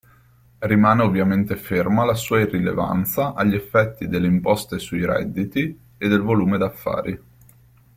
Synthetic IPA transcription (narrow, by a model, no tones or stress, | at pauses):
rimaːneovːjament̪efermalasuːairːilḛva̰nt̪saʔaʎːɛfːɛt̪ːid̪elːeimpɔst̪esuiɾɛ̰d̪ːit̪i | ed̪ːelvoluːmed̪afːa̰ːɾi